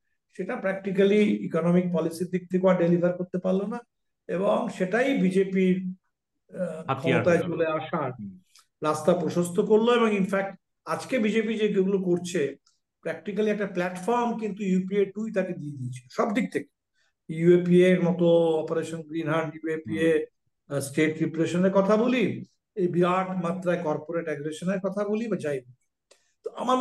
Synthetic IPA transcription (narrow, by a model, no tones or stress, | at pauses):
ʃeʈapɾɛk̚ʈikaliikonɔmik̚pɔlisiɾd̪ik̚t̪ʰekeaɖelibʱaɾkoɾt̪epaɾlona | eboŋʃeʈajbid͡ʑepiɾ | kʰɔmot̪aet͡ɕoleaʃaɾ | ɾast̪apɾoʃost̪ʰokoɾloeboŋinfɛk̚ʈ | ad͡ʑkebid͡ʑepid͡ʑeɡeɡulokoɾt͡ɕʰe | pɾɛkʈikaliɛk̚ʈaplɛʈfɔɾmkint̪ujupieʈujt̪aked̪ied̪iet͡ɕʰiloʃɔbd̪ik̚t̪ʰeke̥ | juepieɾmɔt̪oɔpeɾeʃonɡɾinɦaɳɖjuepie | sʈeʈɾipɾeʃoneɾkɔt̪ʰaboli | biɾaʈmat̪ːɾaekɔɾpoɾeʈɛɡɾeʃoneɾkɔt̪ʰabolibad͡ʑajdi | t̪oama